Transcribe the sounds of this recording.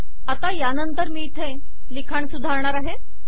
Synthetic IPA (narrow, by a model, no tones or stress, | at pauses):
at̪ajanənt̪əɾmiːt̪ʰe | likʰaɳsud̪ʱaɾɳ̃aɾaɦe